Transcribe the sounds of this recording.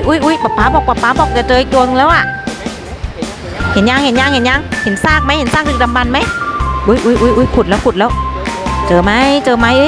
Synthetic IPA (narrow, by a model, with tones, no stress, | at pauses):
ʔu˧˦jʔu˧˦jɓa˨˩p̚pːaː˨˧˦bɔ˨˩k̚ɓa˨˩p̚ːaː˧˦bɔ˨˧˩k̚ka˨˧˩t͡ɕəː˧˩˦k̚ɗu˨˧ə˨nŋlə˧˦wʔaː˧˩ | hɛ˨˩ɲaː˧ŋhɛ˨˩ɲaː˧ŋhɛ˧˩ɲaː˧ŋhi˨˩nsaː˧˥k̚ma˧˦hi˧˩nsaː˦˥k̚ɗɨ˨˩ɗa˨˩mɓa˨˩nma˨˦jʔu˧˦jʔu˧˦jʔu˧˦jʔu˧˦jxʰu˨˩t̚lə˧wku˨˩t̚lə˨˧˦wt͡ɕəː˨˩ma˨˧˦jt͡ɕəː˨˩ma˨˧˦jʔɨ˧˦